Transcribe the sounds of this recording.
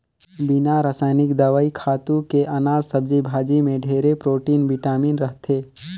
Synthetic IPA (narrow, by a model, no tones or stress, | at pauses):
bɪnaɾaːsaːnɪkd̪əʋaːikʰaːt̪ũkeʔanaːzsəb̚d͡ʒibʱaːd͡ʒimẽɖʱeːɾepɾoːʈiːnʋɪʈaːmiːnɾəɦt̪ʰeː